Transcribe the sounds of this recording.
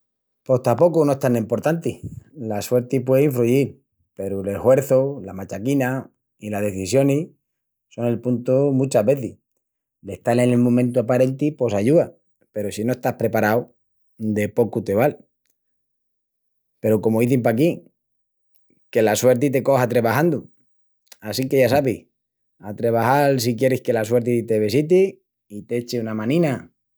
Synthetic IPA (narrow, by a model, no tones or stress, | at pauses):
po̞ht̪apo̞kunoest̪anempo̞ɾt̪ant̪ilaswe̞ɾt̪ipweiɱfɾuʝiɾ | pe̞ɾule̞hwe̞ɾθolamat͡ʃakina | ilaɦðe̞θisjo̞ni | so̞ne̞lpunt̪umũt͡ʃaɦβe̞θi | le̞ht̪alenelmõmẽnt̪uapaɾe̞nt̪ipo̞saʝua | pe̞ɾosino̞est̪ahpɾe̞paɾaw | d̪e̞po̞kut̪e̞βal | pe̞ɾoko̞moiθimpaki | ke̞laswe̞ɾt̪̬it̪e̞ko̞hat̪ɾe̞βahand̪u | asike̞ʝasaβi | at̪ɾe̞β̞axals̬ikje̞ɾehke̞laswe̞ɾt̪it̪e̞βesit̪i | it̪eet͡ʃeunamãnĩna